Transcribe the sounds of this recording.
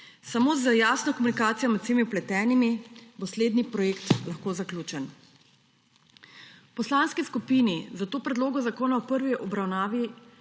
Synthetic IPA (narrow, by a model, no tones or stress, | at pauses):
samoːzəjaːsnɔkɔmunikaːt̪sijɔmɛt̪semiuplɛt̪ɛːnimibosleːd̪nipɾɔjeːkt̪laxkoːzaklʲuːt͡ʃɛn | pɔslaːnskiskupiːnizat̪oːpɾɛd̪loːɡɔzakoːnawpəɾʋiʔɔbɾawnaːʋi